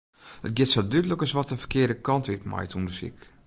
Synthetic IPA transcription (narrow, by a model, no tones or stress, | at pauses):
ət̚ɡɪtsɔldydləkəsʋɔtəfə̥kɪədəkɔntʋɪtma̰jtʰundəsḭk